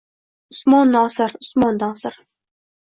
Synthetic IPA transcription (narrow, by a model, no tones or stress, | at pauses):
ʊsmɒnːɒːsɪɾʊsmɒnːɒːsɪɾ